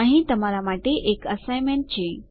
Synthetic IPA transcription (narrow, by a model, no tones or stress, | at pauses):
aɦĩt̪əmalamaʈeʔekəsajmeɳʈ̚t͡ɕẽ